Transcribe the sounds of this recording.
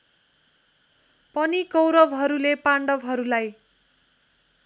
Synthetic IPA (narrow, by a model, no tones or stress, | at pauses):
pʌnikʌwɾʌbɦʌɾulepaɳɖʌbɦʌɾulaj